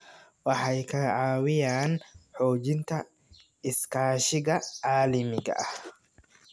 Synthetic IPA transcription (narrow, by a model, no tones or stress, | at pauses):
wɑħɑjkʰɐʕɑːwɪjaːnħɔːt͡ʃɪnt̪ʰɐ | ɪskʰaːʃɪɣɐʕaːlɐmɪɡɐ̰ʔɐh